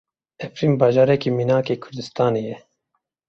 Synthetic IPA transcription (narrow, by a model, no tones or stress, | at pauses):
ɛfɾiːmbɑːʒɑːɾɛkiːminaːkeːkʰʊɾd̪ɨst̪ɑːneːjɛ